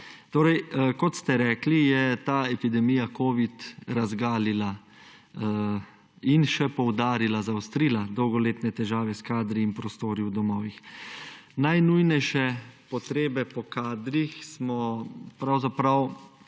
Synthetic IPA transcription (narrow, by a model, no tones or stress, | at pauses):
t̪oːɾɛjkɔt̪st̪ɛɾɛːklijɛt̪aːɛpid̪ɛmiːjakoːʋit̪ɾazɡaːlila | inʃɛpɔwd̪aːɾilazawst̪ɾiːlad̪ɔwɡɔleːt̪nɛt̪ɛʒaːʋɛskaːd̪ɾiːnpɾɔst̪oːɾiwd̪ɔmɔːʋix | najnujnɛjʃɛpɔt̪ɾeːbɛpɔkaːd̪ɾixsmɔpɾawzapɾaw